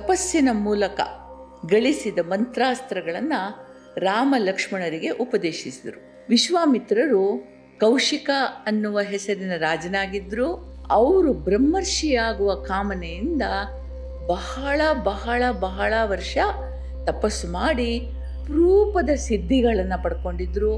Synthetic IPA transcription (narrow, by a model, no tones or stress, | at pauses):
t̪ɐpɐsːinɐmuːlɐkɐ̰ | ɡɐɭisid̪ɐmɐnt̪ɾaːst̪ɾɐɡɐɭɐnːu | ɾaːmɐlɐkʂmɐɳɐɾiɡe̞ʔupɐd̪eːʃisid̪ɐɾu | ʋiʃʋaːmit̪ɾɐɾu | kɐwʂikɐɐnːuʋɐɦɛsɐɾinɐɾaːd͡ʒɐnaːɡid̪ɾuɐʋɐɾubɾɐmːɐɾʂijaːɡuʋɐkaːmɐnejind̪ɐ | bɐɦɐɭɐbɐɦɐɭɐbɐɦɐɭɐʋɐɾʂɐ | t̪ɐpɐsmaːɽi | pɾuːpɐd̪ɐsid̪ʱːiɡɐɭɐnːɐpɐɽko̞ɳɖid̪ɾu